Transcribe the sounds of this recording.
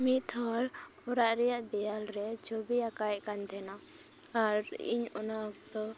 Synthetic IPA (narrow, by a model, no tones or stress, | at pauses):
mit̪ʰɔɾ | ɔɾaʔɾɛjaʔd̪ɛjalɾɛd͡ʒobijakajkaɲd̪ɛna | aɾḭɲɔnaɔk̚t̪ɔ